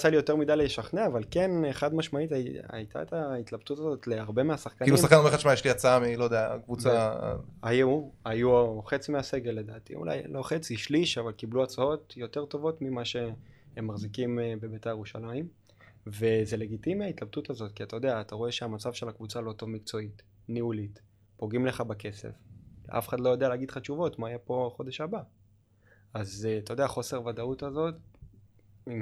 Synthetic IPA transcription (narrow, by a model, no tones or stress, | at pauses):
t͡salijo̞t̪e̞ʁmidajlejeʃaχneavalke̞neχadmaʃmaita̰jt̪ʰa̰et̪ait̪labt̪utazo̞t̪leaʁbe̞measaχkaniluisaχkanomeχaʃmajeʃliat͡saamilojd̪eakvut͡sa̰ajuajuoχet͡simease̞ɡe̞lːe̞d̪aːt̪ḭṵla̰jlo̞χet͡siʃliʃavalkibluat͡sao̞t̪jo̞t̪e̞ʁt̪o̞vo̞tmimaʃe̞ | hemːaχzikimbe̞betajeʁuʃalaim | ve̞ze̞le̞ɡitimiait̪lab̚tutazo̞tkiat̪ajo̞d̪eaːtaʁo̞e̞ʃeamat͡savʃe̞lakvut͡salo̞to̞vmikt͡so̞it | nihulit | po̞ɡimle̞χabake̞sḛfa̰fe̥χadlo̞jodealeːɡid̪̥χaʃuvo̞tmaijapo̞χo̞de̞ʃaba | azat̪ajod̪eaχo̞seʁvadautazo̞t | im